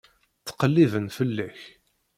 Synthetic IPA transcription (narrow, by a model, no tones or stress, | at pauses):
θːə̥qəlːivənfəlːæç